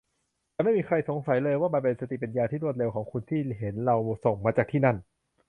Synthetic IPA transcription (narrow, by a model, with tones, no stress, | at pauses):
t̪ɛː˨˩ma˥˩jmiː˧kʰɾa˧jso˩˦ŋsa˩˦jlɤː˧jwaː˥˩ma˧npe˧nsa˧t̪i˨˩pa˧njaː˧t̪ʰiː˥˩ɾu˥˩ət̪̚le˧wkʰɔː˩˦ŋkʰu˧nt̪ʰiː˥˩ɦe˩˦nɾa˧wso˨˩ŋmaː˧t͡ɕaː˨˩k̚t̪ʰiː˥˩na˥˩n